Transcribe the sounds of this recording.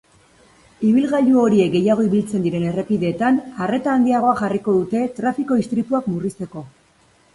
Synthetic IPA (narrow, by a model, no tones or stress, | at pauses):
iβ̞ilɣaʎuo̞ɾiek̚ɡe̞jaɣ̞o̞iβ̞ilt͡se̞nd̪iɾe̞ne̞re̞piðe̞ːt̪anare̞t̪aːnd̪iaɣ̞o̞aʝariko̞ðut̪e̞t̪ɾafiko̞ist̪ɾit̪uakmurist̪e̞ko̞